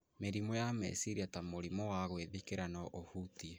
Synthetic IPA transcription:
meɾimɔjamɛ̰siɾiatamoɾimɔwaɣweðikeɾanɔʔohutie

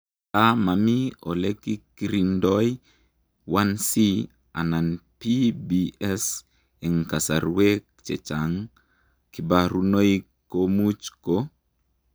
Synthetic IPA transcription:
tamamio̰lekikiɾindɔj | wansi | a̰nanpibiɛs | ɛŋkasa̰ɾwek̚t͡ʃɛt͡ʃaŋ | kibaɾunoi | komut͡ʃko

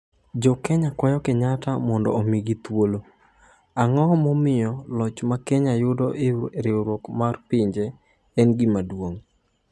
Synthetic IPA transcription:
d͡ʒɔkɛɲakwajɔkeɲatamɔndɔ̰ːmiɡit̪wolo | aŋɔmɔmɪjɔlɔt͡ʃmakɛɲajʊdɔʔɪɾɪoɾwokmarpɪɲd͡ʒe | ɛnɡimadwoŋ

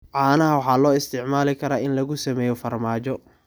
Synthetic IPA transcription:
ʕɑːnɐɦɐwɑħɑːlɔːɪst̪ʰɪʕmaːlɪkʰɐɾaːʔɪnlɐɣʊsɐmɛːjɔfɐrmaːt͡ʃɔ

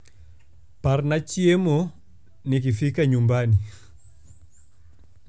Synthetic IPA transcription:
paɾnat͡ʃiɛmɔ | nikifikaɲumbani

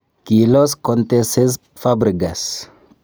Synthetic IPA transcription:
kiloskont̪esez | fabɾiɡas

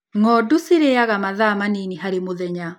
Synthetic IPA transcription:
ŋɔdoseɾeaɣamaðaːmaniniɦaɾemoðɛɲa

